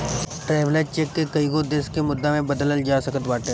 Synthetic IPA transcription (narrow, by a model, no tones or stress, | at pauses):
ʈɾɛːʋlet͡ʃekːekɐiɡod̪eskemʊd̪ːamẽbɐd̪ələld͡ʒaːsɐkət̪ʋaːʈə